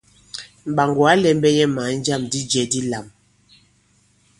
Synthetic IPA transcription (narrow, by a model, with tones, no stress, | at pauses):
m̩˨ba˨ŋɡwa˨˦lɛ˨˦m˦bɛ˦jɛ˦ma˨˦n̩˦d͡ʒa˦˨mdi˦d͡ʒɛ˨di˦la˨m